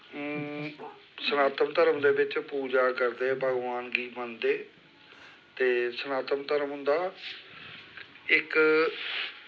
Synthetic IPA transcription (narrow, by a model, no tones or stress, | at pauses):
sənaːt̪əmt̪əɾəmd̪eːbɪt͡ʃpuːd͡ʒaːkəɾd̪eːbʱəɡʋaːnɡiːmənd̪eː | t̪eːsənaːt̪əmt̪əɾəmɦʊ̃nd̪aː | ɪk